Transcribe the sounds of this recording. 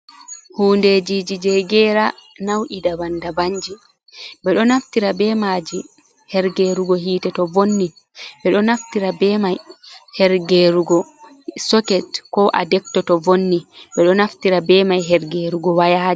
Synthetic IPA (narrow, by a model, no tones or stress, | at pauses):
huːndeːd͡ʒiːd͡ʒid͡ʒɛɡɛɾa | nawʔidabandabaɲd͡ʒi | bɛɗɔnaftiɾabɛmad͡ʒi | hɛɾɡeɾuɡɔɦiːtɛtɔvonːi | bɛɗɔnaftiɾabɛmajhɛɾɡeɾuɡɔ | sɔkɛtkɔʔa̰dɛk̚tɔtɔvonːibɛɗɔnaftiɾabɛːmajɦɛɾɡeɾuɡɔwajaːd͡ʒi